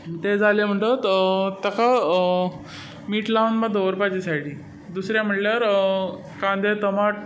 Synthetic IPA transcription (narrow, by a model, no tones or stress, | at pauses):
t̪ed͡zʱalem̤əʈət̪t̪əka | miːʈlaʋənmad̪oʋəɾpad͡ʑisajɽiː | d̪usɾjam̤əʈljaɾ | kãnd̪ʱet̪əmaʈ̚